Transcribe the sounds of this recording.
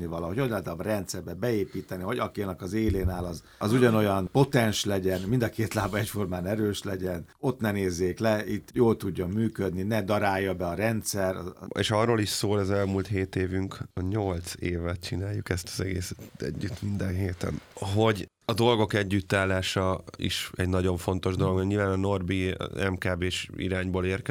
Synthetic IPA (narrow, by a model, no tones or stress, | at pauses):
nivɒlɒɦo̞cod̪laːt̪ɒbrɛnt̪sɛrbɛbɛeːpiːt̪ɛnivɒɟɒkinɒkɒzeːleːnaːlɒz | ɒzuɟɒno̞jɒnpo̞t̪ɛnʃlɛɟɛnmind̪ɒkeːt̪laːbɒɛcfo̞rmaːnɛɾøːʃlɛɟɛno̞t̪nɛneːzːeːklɛit̪ːjoːlt̪uɟːɒmyːkød̪ninɛd̪ɒɾaːjːɒbɛɒɾɛnt̪sɛrɒ̰eːʃɒrːoliʃsoːlɛzɛlmult̪heːt̪eːvyŋkɒɲo̞lt̪seːvɛt̪̚t͡ʃinaːjːukɛst̪ɒzɛɡeːsɛ̥t̪ɛ̰ɟːyt̪mind̪ɛnɦeːt̪ɛ̰nɦo̞ɟ | ɒd̪o̞lɡo̞kɛɟːyt̪ːaːlːaːʃɒḭʃɛɟnɒɟo̞ɱfo̞n̪t̪o̞ʒd̪o̞loɡmɛɡɲilvaːnɒno̞rbḭɛmkaːbeːʃḭɾaːɲboːleːrkɛ